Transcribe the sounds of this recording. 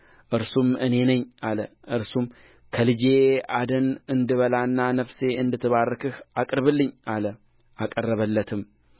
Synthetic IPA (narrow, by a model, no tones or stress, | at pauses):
ʔɨɾsumʔɨne̞nəɲːalə | ʔɨɾsum | kʰəlɨd͡ʒe̞ad̪ənɨnd̪ɨβəlanːanəfse̞ɨnd̪ɨt̪ʰːɨβarːɨkʰɨhakʼɨɾβɨlːɨɲːalə | ʔakʼərːəβəlːət̪ʰɨm